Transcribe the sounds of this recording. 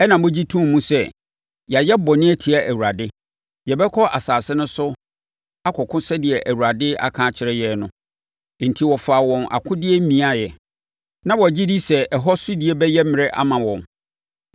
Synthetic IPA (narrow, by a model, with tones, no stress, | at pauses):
ɛ˦nã˨mbʊ̃˦d͡ʑi˦tʰũ˦˨mũ˦sɛ˦ | ja˨jɛ˦bɔ˨nɪ̃˦æ˦tʰi˨a˨ʔæ˨wu˨ɾa˨dɪ˦ | jɛ˨bɛ˦kʰɔ˦ʔa˨saː˨sɪ˦nʊ̃˦sʊ˦ | a˦kʰɔ˨kʰʊ̃˦sɛ˦dɪ˨ɛ˨ʔæ˨wu˨ɾa˨dɪ˦a̰˦˨kʰãː˦t͡ɕʰɪ˨ɾɛ˦jɛ˨nʊ̃˦ | n̩˨tʰi˨wɔ˨faː˨wɔ̃˨nʔa̰˨kʰʊ̃˦dɪ˦ɛ˦mĩ˨a˦jɛ˨ | nã˦wɔ˨d͡ʑi˦di˦sɛ˨ɛ˨ɦɔ˦sʊ˦dɪ˨e˦bɛ˦jɛ˦mɪ̃˨ɾɛ˦ʔa̰˦mã˨wɔ̃˨n